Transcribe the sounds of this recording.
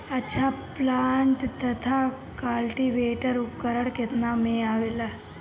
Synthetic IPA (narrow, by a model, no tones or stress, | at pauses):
ət͡ʃʰaplaɳʈt̪ət̪ʰa | kalʈiʋeʈəɾukːəɾəɳket̪namẽaʋela